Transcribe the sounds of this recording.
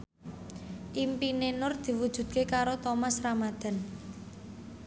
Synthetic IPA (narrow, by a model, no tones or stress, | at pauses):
ʔimpinenʊrd̪̥i̤wud̥ʒ̥ṳd̪̚kekaɾot̪omasramad̪̥a̤n